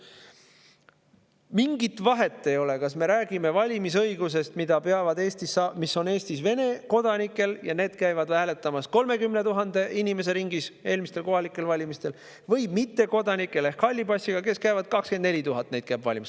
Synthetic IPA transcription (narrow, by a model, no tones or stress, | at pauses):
miŋɡit̪vɑɦe̞t̪ˑːe̞jo̞le̞kɑsme̞ɾæːɡ̥ime̞vɑlʲimis̬ɤjɡus̬e̞st̪mid̪̥ɑpe̞ɑvɑd̪e̞ːst̪isːɑːmisːo̞ne̞ːst̪isve̞ne̞ko̞d̪̥ɑnikːˑe̞ljɑne̞ːd̪̥kæjvɑd̪væːle̞t̪ːˑɑmɑsko̞lme̞kymne̞t̪uɦɑnd̪̥e̞inime̞se̞ɾiŋɡise̞ːlmist̪e̞lko̞ɦɑlikːˑe̞lvɑlʲimist̪e̞l | vɤ̞jmit̪ːe̞ko̞d̪ɑnikːˑe̞le̞hkːɑlʲːibɑsʲːiɡ̥ɑke̞skæjvɑd̪̥̚kɑkskend̪ne̞lʲit̪uɦɑt̪ːˑne̞jd̪̥kæːbvɑlʲimis